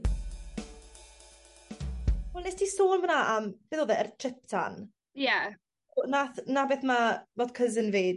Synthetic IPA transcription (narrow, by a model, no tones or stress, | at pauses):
ɔnɛstʰisoːnmənaʔəmv̥ɪðoːðɛərtʰr̥ɪp̚tʰa̰n | ja | onaθnabeːθmaboːdkʰəzənveːd